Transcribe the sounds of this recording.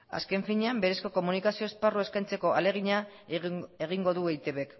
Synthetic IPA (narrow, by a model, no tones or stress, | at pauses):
a̰ske̞ɱfiɲeambe̞ɾe̞sko̞ko̞munikasio̞esparue̞skajnt͡se̞ko̞ʔale̞ɣ̞iɲa | e̞ɣ̞iŋɡo̞ðuejt̪e̞βe̞k